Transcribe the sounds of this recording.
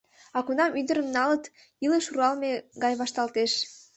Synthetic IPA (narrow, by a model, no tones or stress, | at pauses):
ɑkunɑmyd̪əɾəmnɑlət̪ | iləʃuɾɑlmeɡɑjβɑʃt̪ɑlt̪eʃ